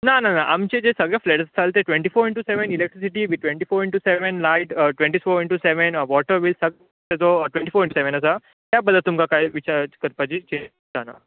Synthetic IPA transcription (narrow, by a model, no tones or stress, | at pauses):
nananaʔamt͡ɕed͡ʑesəɡɭefleʈst͡sʰalt̪eʈʋẽɳʈifoɾiɳʈuseʋənilek̚ʈɾisiʈiʋiʈʋẽɳʈifoːɾiɳʈuseʋənlajʈʈʋẽɳʈisoɾiɳʈuseʋenʋɔʈəɾʋilsəɡ | t̪ed͡zoʈʋẽɳʈifoːɾĩɳʈ̬useʋenəsa | t̪jabəd̪ʱːət̪ːumkakajʋit͡ɕaɾkəɾpat͡ɕit͡ɕe | t̪ana̰